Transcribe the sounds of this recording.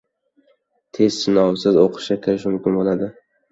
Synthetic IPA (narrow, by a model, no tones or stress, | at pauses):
t̪ʰe̞zsɪnɒwsɪzoqʰɨ̥ʃakʲʰɪɾɪʃmʊmkʲɪnbolˠad̪ɪ